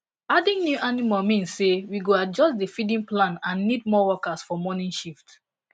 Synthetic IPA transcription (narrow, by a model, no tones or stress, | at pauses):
adĩŋnjuʔanimalmĩnsːewiɡoad͡ʒɔstdefidĩnplãnãnːid̚mɔwɔkasfɔmɔnĩnʃift